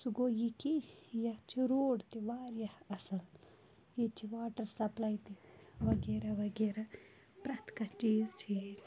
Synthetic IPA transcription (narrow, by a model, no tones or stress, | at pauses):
suɡoːjikijat͡ʃʰiɾoːɖt̪iʋaːɾjaɐsɐl | jit͡ʃʰiʋaːʈɐɾsɐplɐjt̪iʋɐɡeːɾaʋɐɡeːɾa | pɾɐt̪ʰkɐt͡ʃiːzt͡ʃʰiːz